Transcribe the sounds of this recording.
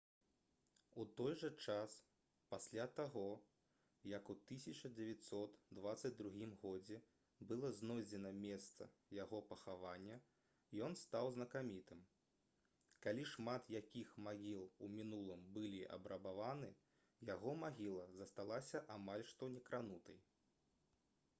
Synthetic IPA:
ut̪ɔjʐɐt͡ʂas | pasʲlʲat̪aɣɔ | jɐkut̪ɨsʲɐt͡ʂɐd͡zʲɛvʲat̪sɔt̪d̪vat̪sɐd͡zʲd̪ɾuɣʲimɣɔd͡zʲɛ | bɨlˠɐznɔjd͡zʲɛnɐmʲɛst̪sɐ̰jaɣɔpɐxavanʲːɐ | jɔnst̪awznɐkamʲit̪ɨm | kalʲiʂmat̪jakʲixmaɣʲilˠumʲinulˠɨmbɨlʲiʔɐ̰bɾɐbavanɨ | jaɣɔmaɣʲilˠɐzɐst̪alˠasʲɐʔamalʲʂt̪ɔnʲɛkɾanut̪ɐj

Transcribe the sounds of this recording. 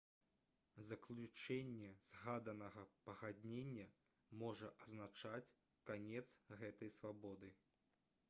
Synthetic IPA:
zɐklʲut͡ʂɛnʲːɛz̥ɣad̪ɐnɐɣɐpɐɣad̪ʲnʲenʲːɐ | mɔʐɐʔɐznat͡ʂat͡sʲ | kanʲɛt̪sɣɛt̪ɐjsvabɔd̪ɨ

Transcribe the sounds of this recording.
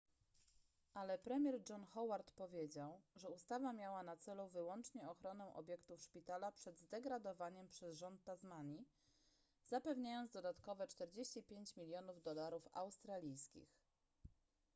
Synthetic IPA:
ʔalɛpɾɛmʲjɛɾd͡ʐɔnxɔwaɾt̪pɔvʲjed͡ʑawʐɛust̪avamʲjawanat̪sɛluvɘwɔnt͡ʂɲɛɔxɾɔnɛ̃ʔɔ̰bʲjɛkt̪ufʂpʲit̪alapʂɛd̪zd̪ɛɡɾad̪ɔvaɲɛmpʂɛzʐɔnt̪ːazmaɲi | zapɛvɲajɔnzd̪ɔd̪at̪kɔvɛt͡ʂt̪ɛɾd͡ʑeɕt͡ɕipʲjeɲt͡ɕmʲilʲjɔnuvd̪ɔlaɾufa̰wst̪ɾalʲijskʲḭx

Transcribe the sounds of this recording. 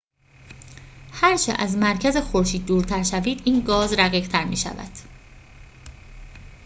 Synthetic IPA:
hæɾt͡ʃʰḛʔæzmæɾcʰæzexoɾʃiːd̪̚ːuːɾt̪ʰæɾʃæviːd̪iːnɡɒːzɾæɣiːʁ̥t̪ʰæɾmḭːʃæ̰væ̰d̪̥

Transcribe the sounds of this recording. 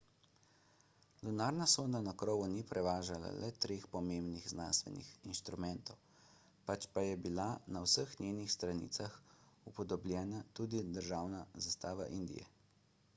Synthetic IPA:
d̪ɔnaːɾnasoːd̪anakɾɔːʋunipɾɛʋaːʒala̰lɛt̪ɾeːxpɔmembnixznanst̪ʋɛ̰nḭxinʃt̪ɾumɛnt̪ɔw | pat͡ʃpajɛbilanawsəxnʲeːnixst̪ɾanḭːt̪saxupɔd̪ɔblʲjɛːnat̪uːd̪id̪əɾʒaːwnazast̪aːʋa̰ʔind̪ḭjɛ̰

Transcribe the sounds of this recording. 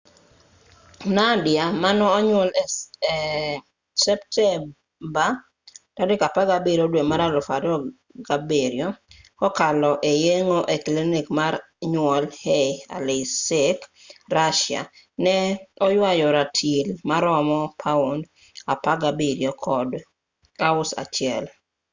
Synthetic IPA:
nadjamanɔːɲwɔl | sɛptʰɛ | ba | tadɪkapaɡabeɾiodwemaɾalɔfadɔ | ɡabeɾijo | kɔkalɔʔejeŋoʔeklinikmaɾ | ɲwɔlhea̰lesek | ɾaʃja̰ | nɛɔjwajɔɾatʰilmaɾɔmɔpʰaund | apaɡabeɾjokʰɔd | aʊsa̰t͡ʃɪɛl

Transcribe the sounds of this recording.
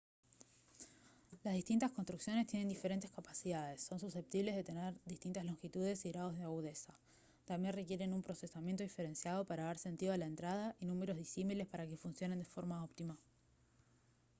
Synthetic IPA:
lazðiht̪int̪asko̞nst̪ɾuksjo̞ne̞st̪jene̞nd̪ife̞ɾent̪eskapasiðaðesːo̞nsuse̞p̚t̪iβle̞zðe̞t̪e̞neɾðist̪int̪azlo̞ŋxit̪uðe̞siɣɾaðo̞zð̞eaɣuðe̞sa | t̪ambje̞nre̞kje̞ɾe̞numpɾo̞se̞samje̞nt̪oife̞ɾe̞nsjað̞o̞paɾaðaɾse̞nt̪iðo̞alaent̪ɾaðaʔinume̞ɾo̞zð̞isimile̞spaɾake̞funsjone̞nd̪efo̞ɾmaopt̪ima

